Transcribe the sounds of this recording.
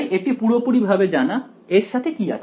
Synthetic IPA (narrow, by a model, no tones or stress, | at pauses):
jʔeʈipuɽopuɽibʱabed͡ʑana | eɾʃat̪ʰekia̰ʃʰ